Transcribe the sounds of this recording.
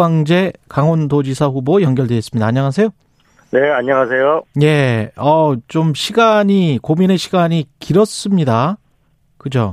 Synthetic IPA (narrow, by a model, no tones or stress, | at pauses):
aŋd͡ʑe̞kaŋondod͡ʑisʰaɸubojʌnɡjʌɭdeɡs͈ɯmɲidaːɲːʌŋasʰe̞jo | ne̞aɲːʌŋasʰejoje̞ʌt͡ɕomɕʰiɡaɲikomineɕʰiɡaɲikiɾʌs͈ɯmɲida | kɯd͡ʑo̰